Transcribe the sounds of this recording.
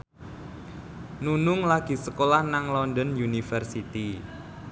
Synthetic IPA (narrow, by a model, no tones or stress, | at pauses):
nunʊŋlaɡ̥i̤səkolahnaŋlɔnd̪ənjunifərsit̪i